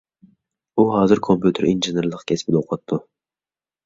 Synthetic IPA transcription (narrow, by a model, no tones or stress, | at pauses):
uɦɑːzɨɾkʰompjut̪ʰɨɾinʒɨneɾlˠəqkʲʰɛspɪd̪oqʰɑt̪ʰːu